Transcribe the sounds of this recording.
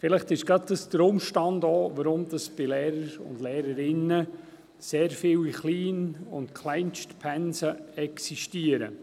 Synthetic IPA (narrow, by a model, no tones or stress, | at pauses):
fɪlɪχtɪʃɡ̥ɾɑt̚dɑsd̥̪əɾʊmʃtɑndoːʋəɾʊmd̥ɑsb̥ɪlɛːɾəɾʊ̰ndlɛːɾəɾɪnə | seːɾfɪliχliːnʊ̰ntkʰlaɪnʃtpʰɛnsəɛksiʃtiəɾə̰